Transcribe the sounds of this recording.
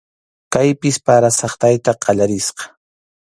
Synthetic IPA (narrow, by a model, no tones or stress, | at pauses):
kajpɪspaɾasɑχt̪ajt̪aqɑʎaɾɪsqɑ̥